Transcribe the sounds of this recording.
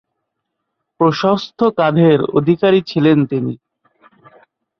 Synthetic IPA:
pɾoʃost̪ʰokad̪ʱeɾo̰d̪ʱikaɾit͡ɕʰilent̪inḭ

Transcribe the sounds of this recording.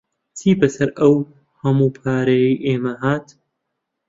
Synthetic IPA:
t͡sʰiːbɐsɐɾɐw | hɐmuːpʰaːɾejijʔeːmɐɦaːt̪

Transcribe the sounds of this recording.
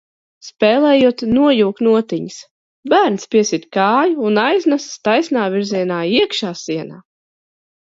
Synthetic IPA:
spɛːlˠɛːjuɔt̪nuɔjuːkt̪nuɔt̪iɲis | bæːɾnspʲiɛsit̪ʲkaːjuːnajznasst̪ajsnaːvʲiɾziɛnaːiɛkʃaːsiɛna̰ː

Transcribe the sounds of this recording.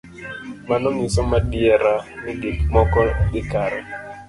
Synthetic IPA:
manɔŋɪsɔmadjɛɾanɪdikmɔkɔɡɪkaɾɛ

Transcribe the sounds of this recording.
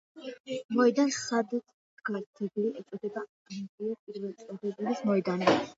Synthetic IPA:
mɔɛd̪ansad̪at̪ʰ | ɡaɾt̪ʰɛbiliʔɛsʼɔd̪ɛba | ʒɛt̪ʼiapʼiɾvɛlt̪sʼɔɾɛbilismɔɛd̪ani

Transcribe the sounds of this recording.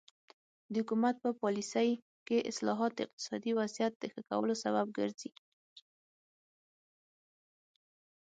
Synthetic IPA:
d̪əhʊkumat̪̚pəpɑlisəj | keʔɪ̰slɑɦɑt̪̚d̪ɪq̚t̪ɪ̥sɑd̪iwazijat̪̚d̪əxəka̰wə̰losabab̚ɡəɾzi

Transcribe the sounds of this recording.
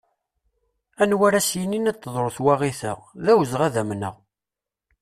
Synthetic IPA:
ænwæɾæsjəninæt̪ːəðˤɾˤoθwæʁiθəʁðæwəzʁæðæmnə̰ʁ

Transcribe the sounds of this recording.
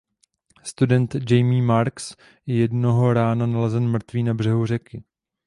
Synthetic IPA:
st̪udɛnt̪d͡ʒɛjmiːmaɾks | jɛjɛdnoɦo̞ɾaːnanalɛzɛnmr̩t̪viːnabr̝ɛɦur̝ɛkɪ

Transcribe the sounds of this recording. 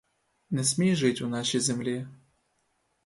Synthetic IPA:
nɛsʲmʲejʐɨtʲunaʃejzɛmlʲi

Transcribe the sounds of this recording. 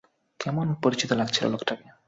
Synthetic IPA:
kɛmonpoɾit͡ɕit̪olaɡt͡ɕʰilo̰lokʈake

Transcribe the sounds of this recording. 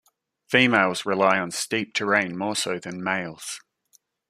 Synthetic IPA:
fiːmeɪlˠzɹɪlaɪə̃nstiˑp̚tʰəɹẽɪ̃nmɔːsəʊðə̃nmeɪlˠz̥

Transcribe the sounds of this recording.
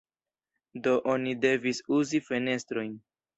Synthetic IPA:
do̞ʔonide̞visuzife̞ne̞stɾo̞jn

